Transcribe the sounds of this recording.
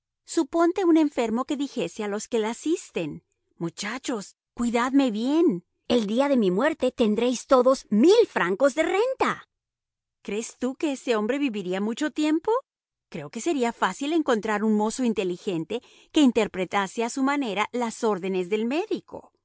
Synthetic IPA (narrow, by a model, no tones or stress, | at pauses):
supo̞nt̪e̞une̞ɱfe̞ɾmo̞ke̞ðixe̞sealo̞ske̞lasist̪e̞n | mut͡ʃat͡ʃo̞s | kwiðaðme̞βje̞n | e̞ld̪iaðe̞mimwe̞ɾt̪e̞t̪e̞nd̪ɾejst̪o̞ðo̞zmilfɾaŋko̞zðe̞re̞nt̪a | kɾe̞st̪uke̞ese̞o̞mbɾe̞βiβiɾiamut͡ʃo̞t̪je̞mpo̞ | kɾe̞o̞ke̞se̞ɾiafasile̞ŋko̞nt̪ɾaɾunmo̞soint̪e̞lixe̞nt̪e̞ | ke̞int̪e̞ɾpɾet̪aseasumane̞ɾalaso̞ɾðe̞ne̞zðe̞lme̞ðiko̞̰